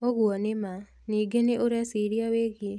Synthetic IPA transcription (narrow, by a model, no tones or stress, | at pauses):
oɣwɔnema | niɡeneʔoɾasiɾiaweɣie